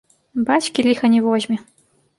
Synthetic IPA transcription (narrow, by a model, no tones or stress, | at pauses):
bat͡ɕkʲilʲixɐnʲivɔʑmʲi